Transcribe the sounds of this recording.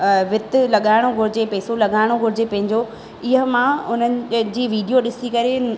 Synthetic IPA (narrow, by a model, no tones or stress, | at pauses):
ʋɪt̪ɪlɐɠaːɪɽ̃oɡʱʊɾɪd͡ʑepɛːsolɐɠaːɪɽ̃oɡʱʊɾɪd͡ʑepɐ̃ɦɪ̃ɲd͡ʑo | ɪɦəmãʊnənɪ̆d͡ʑiːʋiːɖijoɗɪsikɐɾe